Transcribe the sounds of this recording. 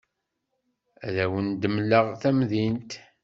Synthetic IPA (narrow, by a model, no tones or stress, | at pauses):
æðæwənd̪əmləʁθæmðint̪